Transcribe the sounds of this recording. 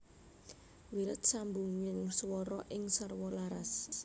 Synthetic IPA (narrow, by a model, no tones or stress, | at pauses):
wilət̪sambuŋːinswɔɾɔʔiŋsarwɔlaɾas